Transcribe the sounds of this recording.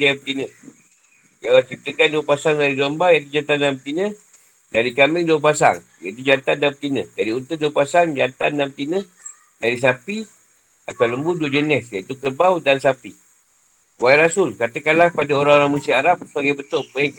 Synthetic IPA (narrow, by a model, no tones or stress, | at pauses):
diapət̪inə̃ | d͡ʒawat͡ʃip̚t̪əkanduəpasaŋdaɾidɔmbajat̪ud͡ʒant̪andamt̪inə | daɾikamɪŋduəpasa̰ŋ | jait̪ud͡ʒant̪andap̚t̪inə̃d͡ʒadiunt̪əduəpasaŋd͡ʒant̪anːamt̪inə | daɾis̬api | at̪awləmbuduəd͡ʒənɛsjait̪ukəbawdansapi | waiɾasʊlkat̪əkanlahpadaoɾaŋoɾaŋmusiaɾap̚səbaɡajbət̪ʊʔpəiŋ